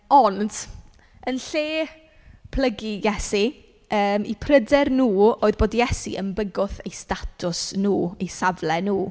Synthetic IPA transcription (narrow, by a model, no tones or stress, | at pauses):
ɔnd | ənɬeː | pʰl̥ˠəɡijɛsi | əːmḭpʰrədɛrnuːoːɨðboːdjɛsḭʔəmbəɡʊθejstatʰʊsnuːijsavlɛnuː